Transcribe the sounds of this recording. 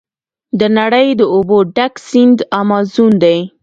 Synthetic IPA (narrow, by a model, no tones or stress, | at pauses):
d̪ənaɽəjd̪əoboɖaksɪnd̪ɑmɑzund̪aj